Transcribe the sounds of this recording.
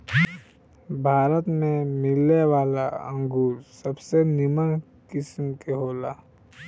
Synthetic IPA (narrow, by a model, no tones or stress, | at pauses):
bʱaːɾət̪mẽmɪlewaːlaə̰̃ŋɡuːɾsəbsenɪmən | kɪsmkeɦoːlaː